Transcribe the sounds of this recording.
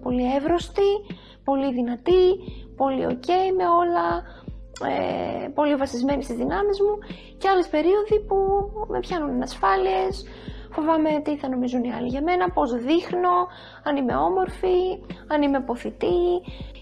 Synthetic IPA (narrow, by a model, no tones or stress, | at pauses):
po̞lievɾo̞st̪i | po̞liðinɐt̪ipo̞lḭo̞̰ce̞ime̞o̞lɐ | ḛpo̞livɐsizme̞nist̪izðinɐmizmu | ceɐle̞spe̞ɾio̞ðipume̞̰pçɐnunɐnɐsfɐlie̞s | fo̞vɐme̞t̪iθɐno̞mizuniɐliʝɐme̞nɐpo̞zðixno̞ | ɐnime̞̰o̞mo̞ɾfiɐnime̞po̞θit̪i